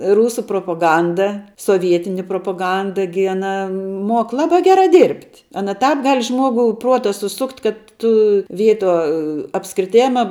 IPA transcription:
ˈruːsʊ proːpoːˈɡɐndɐ soːˈʋʲiɛtʲɪnʲɪ proːpoːˈɡɐndɐ ɡʲɪ ɐˈnɐ ˈmoːk ˈlˠɑːbɑː ˈɡʲæːrɑː ˈdʲiːrʲpʲtʲ ˈɑːnɐ ˈtɑːp ˈɡɐlʲ ˈʒmuɔɡʊ ˈpruɔtɐ sʊˈsʊktʲ kɐt ˈtʊ ˈʋʲiɛtuɔ ɐpskrʲɪˈtʲeːmɐ

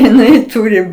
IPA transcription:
jɪˈnɐɪ ˈtʊrʲɪ

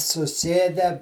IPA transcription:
sʊˈsʲeːdʲæː

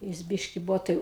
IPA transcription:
ˈjɪs ˈbʲɪʃʲkʲɪ ˈbʊʋoː tɐɪ

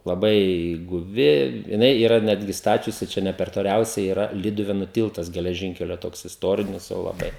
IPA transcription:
lˠɐˈbɐɪ ɡʊˈʋʲɪ jɪˈnɐɪ iːˈrɐ ˈnʲæːdʲɡʲɪ ˈstɑːt͡ʃʲʊsʲɪ ˈt͡ʃʲɛ ˈnʲɛ pʲɛr toːˈlʲɛʊsʲɛɪ iːˈrɐ ˈlʲiːdʊʋʲeːnʊ ˈtʲɪlˠtɐs ɡʲɛlʲɛˈʒʲɪŋʲkʲɛlʲoː ˈtoːks ɪsˈtoːrʲɪnʲɪs jɛʊ lˠɐˈbɐɪ

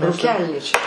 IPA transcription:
ruːˈkʲɛlʲnʲiːt͡ʃʲɛ

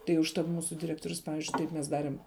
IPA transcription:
tɐɪ ʊʃˈtɐt ˈmuːsʊ dʲɪˈrʲæːktoːrʲʊs ˈpɑːʋʲɪzʲd͡ʒʲʊɪ ˈtɐɪp mʲɛs ˈdɑːrʲɪm

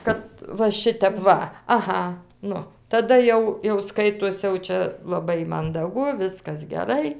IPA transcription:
ˈkɐt ʋɐ ˈʃʲɪtʲɛp ˈʋɐ ɐˈɣɐ ˈnʊ tɐˈdɐ jɛʊ jɛʊ ˈskɐɪtoːs jɛʊ ˈt͡ʃʲɛ lˠɐˈbɐɪ mɐndɐˈɡʊ ˈʋʲɪskɐs ɡʲɛˈrɐɪ

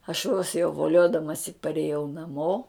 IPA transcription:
ɐʃ ʋoːs jɛʊ ʋoːˈlʲoːdɐmɐsʲɪ pɐrʲeːˈjɛʊ nɐˈmoː

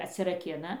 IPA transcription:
ɐtʲsʲɪrɐˈkʲɪnɐ

